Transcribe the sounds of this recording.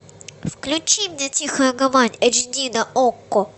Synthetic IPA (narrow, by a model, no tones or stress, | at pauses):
fklʲʊt͡ɕimnʲetʲixəjʊɡɐvanʲɐd͡ʒnʲid̪ɐʔokːɔ